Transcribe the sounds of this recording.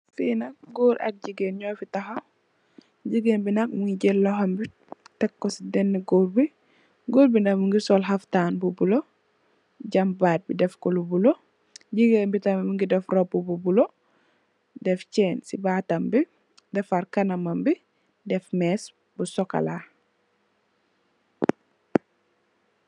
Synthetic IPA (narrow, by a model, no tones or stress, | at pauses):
finɐk̚ɡoːɾʔɐ̰k̚ɟiɡenɲɔfitɐɦa | ɟiɡenbinɐk̚muŋɡiɟɛlːɔɦɐmbi | tɛkːɔsidɛnːiɡoːɾbi | ɡoːɾbinɐmuŋɡisɔlɦaftaːnbubulo | ɟɐmbaːt̚bidɛfkɔlubulo | ɟiɡembitammuŋɡidɛfɾobububulo | dɛft͡ʃɛːnsibaːtambi | dɛfaɾkɐnɐmɐmbi | dɛfmɛs | busɔka̰la